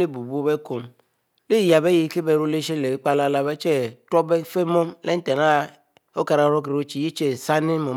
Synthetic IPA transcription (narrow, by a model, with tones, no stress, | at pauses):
le˦bu˨bu˦bɛ˦ko˨m | le˦˨ja˨bɛ˦ji˨˦ke˦bɛ˨ɾo˦le˦ʃe˦le˨˦k͡pa˦la˦la˨bɛ˦t͡ʃɛ˦tɾɔ˦bɛ˦fe˦mɔ˦mle˦n̩˦t̪ɛ˨na˦ | o˦ka˨ɾa˨˦ɾɔ˦kɾe˨o˦t͡ʃi˦˨ji˦t͡ʃe˦˨sa˦ne˦mɔ˨